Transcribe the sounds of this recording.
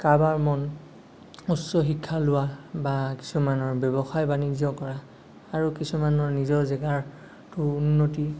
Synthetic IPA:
kabaɹmɔn | usːɔxikʰːalʊwabaki̥sumanɔɹbɛbɔxajbanizɔkɔɹa | aɹukisumanɔɹnizɔɹzɛɡaɹ | tʊunːoti

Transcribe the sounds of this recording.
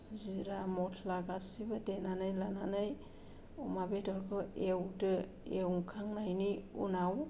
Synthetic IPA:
ziɾamɔtʰlaɡasibadenanajlananaj | ɔmabedɔɾɡʰɔewdɯ | eŋkʰaŋnajniṵnaw

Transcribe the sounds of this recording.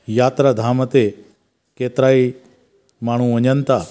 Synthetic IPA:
jaːt̪ɾad̪ʱaːmət̪e | keːt̪ɾaːi | maːɳ̤ũəɲənt̪a

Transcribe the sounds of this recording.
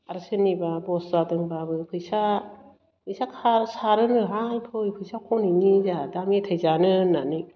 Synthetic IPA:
aɾsɯnːibabɔszadɯŋbabɯpʰɯjsa | pʰɯjsakʰaɾsaɾɯnɯɦalpʰɯjpʰɯjsakʰɔniŋizadamitʰajzanɯnani

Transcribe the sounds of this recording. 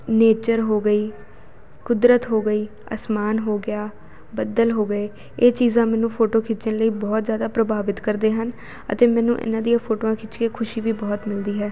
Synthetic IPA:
neːt͡ʃəɾɦoːɡəiː | kʊd̪ɾət̪ɦoːɡəiː | ə̰smaːnɦoːɡɪjaː | bəd̪əlɦoːɡəeː | eːt͡ʃiːzãːmɛ̃ːnũːpʰoːʈoːkʰɪt͡ʃənləiːbɔːt̪zjaːd̪aːpɾəbaːʋɪt̪kəɾd̪eːɦən | ə̰t̪eːmɛ̃ːnũːʔɪ̰nãːd̪ijãːpʰoːʈoːãːkʰɪt͡ʃkeːkʰʊʃiːʋiːbɔːt̪mɪld̪iːɦɛː

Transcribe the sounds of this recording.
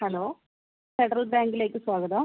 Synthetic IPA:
hɐɭoː | feɖɐɾɐlbaːŋɡile̞ːkːɨswaːɡɐðɐ

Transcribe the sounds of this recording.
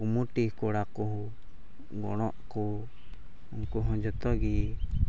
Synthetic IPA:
umuʈihkɔɽakuɦ | ɡɔ̰ɽ̃ɔʔku | unkuɦɔ̃d͡ʒɔt̪ɔɡi

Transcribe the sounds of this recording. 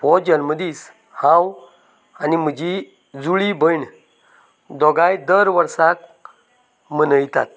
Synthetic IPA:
pɔd͡ʑənməd̪iːs | hãw | anim̤əd͡ʑi | d͡zuɭibəjɳ | d̪ɔɡajd̪əɾʋəɾsak | mənəjt̪a̰t̪̚

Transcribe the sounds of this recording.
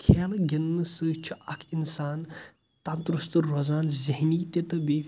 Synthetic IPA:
kʰeːlɡʲinːɨsɨt͡ʃʰiʔɐkʰinsaːn | t̪ɐnt̪ɾust̪ɨɾɔzaːnziɦniːt̪et̪ɨbe

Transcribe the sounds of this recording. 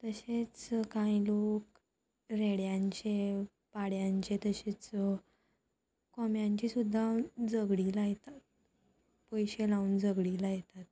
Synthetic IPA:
t̪əɕet͡skãilok | ɾeɽjãɲt͡ɕe | paɽjãɲt͡ɕet̪əɕet͡s | kɔmjaɲt͡ɕisud̪ʱːad͡zəɡɽiːlajet̪at̪̚ | pəjɕelaund͡zəɡɽilajet̪at̪̚

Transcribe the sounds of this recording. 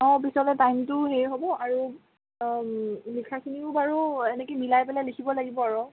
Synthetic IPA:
ɔ̃pisɔlɛtajmtʊɦejɦobɔaɹu | likʰakʰiniʊbaɹuɛnɛkemilajpɛlalikʰibɔlaɡibɔaɹɔ

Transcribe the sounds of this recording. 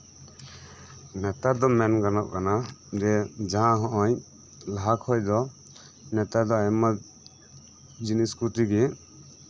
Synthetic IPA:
nɛt̪ad̪ɔmɛnɡanɔʔkanad͡ʒɛd͡ʒaɦãɦɔ̃ʔɔj | laɦakʰɔjd̪ɔ | nɛt̪ad̪ɔajma | d͡ʒiniskɾut̪iɡɛ

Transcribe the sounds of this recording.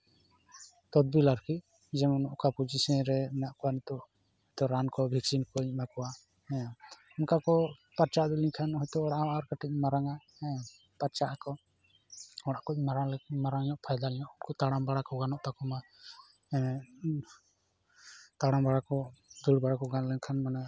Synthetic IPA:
t̪ɔd̪̚bilaɾkʰi | d͡ʒɛmɔnɔʔkapud͡ʒisɛɾɛɛnaʔkɔwanit̪ɔʔ | hɔjt̪ɔɾankɔbʱiksinkɔiɲmakɔwa | unkakɔpaɾt͡ʃad̪ulikʰanɦɔjt̪ɔɔɽaʔɔaɾkaʈɛc̚maɾaŋa | paɾt͡ʃaʔakɔ | ɔɽaʔkɔimaɾalmaɾaŋɲɔʔpʰajd̪alɛɲɔʔɔnkɔt̪aɽambaɽakɔɡanɔʔt̪akɔma | t̪aɽambaɽakɔd̪uɽbaɽakɔɡanlɛŋkʰanmanɛ

